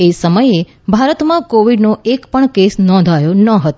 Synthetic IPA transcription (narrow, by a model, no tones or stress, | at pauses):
esəməje | bʱaɾət̪mãkoʋiɖnoʔekpəɳkesnɔ̃nd̪ʱajonəɦət̪